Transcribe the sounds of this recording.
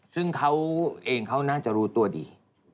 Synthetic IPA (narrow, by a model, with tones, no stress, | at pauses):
sɯ˥˩ŋkʰa˦˥wʔeː˨˩ŋkʰa˦˥˩wnaː˥˩t͡ɕa˧˩ʔɾuː˦˥t̪u˧ɐdiː˨˩